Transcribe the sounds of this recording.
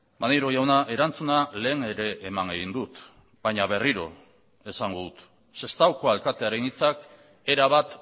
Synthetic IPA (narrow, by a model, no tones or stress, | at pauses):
maneɾo̞jawnaʔe̞ɾant͡sunale̞ːŋe̞ɾe̞ʔːmaŋɡeɣind̪ut̪ | baɲaβe̞riɾo̞̰ | e̞saŋɡoðut̪ | se̞st̪awkoalkat̪e̞aɾe̞nit͡sak | e̞ɾaβat̪